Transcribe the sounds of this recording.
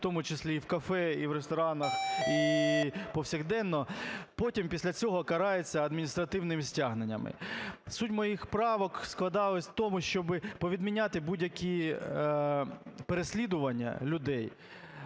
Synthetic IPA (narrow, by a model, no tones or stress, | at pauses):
t̪ɔmʊt͡ʃesʲlʲiːwkɐfɛiʋɾest̪ɔɾɑnɐxi | pɔwsʲiɣd̪ɛnːɔpɔtʲimpʲisʲlʲɐt͡sʲɔɦɔkɐɾɑjet͡sʲːɐɐd̪mʲinʲist̪ɾɐt̪ɪwnɪmɪsʲtʲaɦnenʲːɐ̰mɪ̰sutʲmɔjixpɾɑʋɔksklˠɐd̪ɑlˠɪsʲt̪ɔmʊʃt͡ʃɔbɪpɔʋʲid̪mʲinʲat̪ɪbudʲjɐkʲʰi | peɾesʲlʲid̪ʊʋɐnʲːɐ̰lʲʊd̪ɛj